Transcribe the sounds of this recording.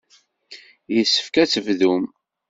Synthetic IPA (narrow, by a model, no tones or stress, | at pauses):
jəsːə̥fkæt͡sːəvðum